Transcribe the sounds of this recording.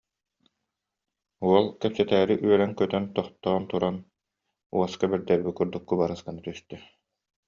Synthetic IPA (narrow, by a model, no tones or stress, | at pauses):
uɔlˠkɛpsɛt̪æːɾiʔyœɾɛŋkœt̪œnt̪ɔχt̪ɔːnt̪uɾan | uɔskabɛɾd̪ɛɾbikuɾd̪ukːubaɾɯskanat̪yst̪ɛ